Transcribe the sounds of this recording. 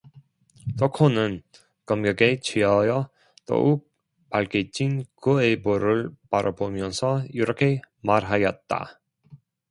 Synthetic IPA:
tokʰonɯn | kʌmɡjʌɡet͡ɕʰiʌjʌ | t͈o̰ʔuk̚ | paɭket͡ɕ͈inkɯeboɾɯɭpaɾʔʌbomjʌnsʰʌiɾʌkʰe̞ | maɾɦajʌt̚t͈a̰

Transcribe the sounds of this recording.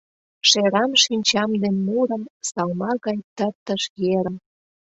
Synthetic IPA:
ʃeɾɑmʃinʲt͡ɕɑmd̪enːuɾə̆msɑlmɑɣɑjt̪ərt̪əʃjeɾəm

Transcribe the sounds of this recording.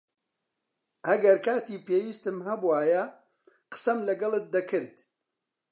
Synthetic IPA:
ʔɐɡɐɾkaːt̪iːpeːwiːst̪ɨmɦɐbuwaːjɐ | qə̥sɐmlɐɡɐlˠɨt̪̚d̪ɐkʰɨɾd̪̥

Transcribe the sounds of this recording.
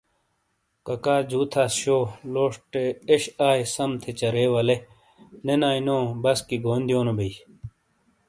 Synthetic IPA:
kɐkaːd͡ʑuːt̪ʰaːsɕoːloːʂʈeeɕaːjsɐmt̪ʰet͡ɕɐɾeːʋɐle | nenaːinõːbɐskiɡoːnd̪ijoːnobei

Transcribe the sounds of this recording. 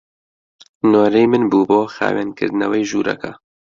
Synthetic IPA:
noːɾejmɨnbuːboːxa̰ːweːnkʰɨ̰ɾd̪nɛwejʒuːɾɛ̰kɐ

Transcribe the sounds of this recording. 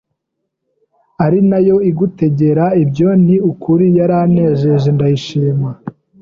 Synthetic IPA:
aɾinajo̞iɡute̞ɟe̞ɾaibjo̞niukuɾijaɾane̞ʒe̞ʒendajiʃiːma

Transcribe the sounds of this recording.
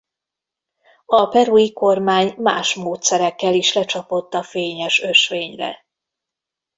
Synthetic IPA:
ɒpɛɾuiko̞rmaːɲmaːʃmoːt̪sɛɾɛkːɛliʃlɛt͡ʃɒpo̞t̪ːɒfeːɲɛʃø̞ʃʋeːɲrɛ̰

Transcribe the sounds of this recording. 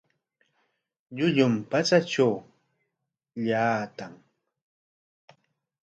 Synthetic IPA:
ʎʊʎʊmpat͡sat͡ʃʈ͡ʂaw | ʎaːt̪aŋ

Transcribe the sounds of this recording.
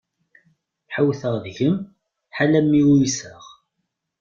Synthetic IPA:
ħəwθəʁðʝəm | ħalæmːiusəʁ

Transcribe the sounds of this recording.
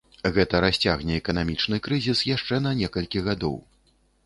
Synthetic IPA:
ɣɛt̪ɐɾasʲt͡sʲaɣnʲɛɛkɐnamʲit͡ʂnɨkɾɨzʲisjaʂt͡ʂɛnɐnʲɛkɐlʲkʲiɣad̪ɔ̰w

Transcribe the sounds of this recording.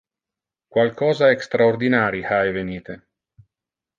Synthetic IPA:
kwalkɔːzaekst̪ɾaord̪inaːɾihajveniːt̪e

